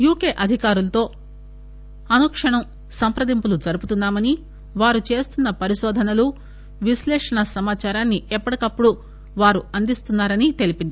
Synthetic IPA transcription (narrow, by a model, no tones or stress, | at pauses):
juːkeːʔɐd̪ʱikaːɾulɐt̪o̞ː | ɐnukʂɐɳɐm | sɐmpɾɐd̪impulud͡ʒɐɾuput̪unːaːmɐni | ʋaːɾut͡ʃe̞ːst̪unːɐpɐɾiʃɔːd̪ʱɐnɐlu | ʋislɛːʂɐɳɐsɐmaːt͡ʃaːɾaːnːiʔɛpːɐɽɐkɐpːuɽu | ʋaːɾuɐnd̪ist̪unːaːɾɐnit̪e̞lipind̪i